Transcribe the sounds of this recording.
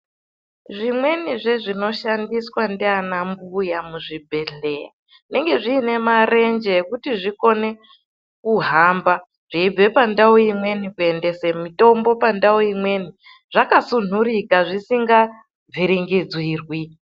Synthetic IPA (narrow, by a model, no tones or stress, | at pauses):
ʐimwe̞niʐe̞ʐino̞ʃandiswandianambujamuʐibʱe̞ɬea | ʐine̞ŋɡe̞ʐiːne̞mare̞nd͡ʒeːkutiʐiko̞ne̞ | kuɦamba | ʐ̥iib͡ve̞pandaoimwe̞nikue̞nde̞semito̞mbo̞pandaoimwe̞ni | ʐ̥akasun̤uɾikaʐisiŋɡa | viɾiŋɡid͡zwiːrwi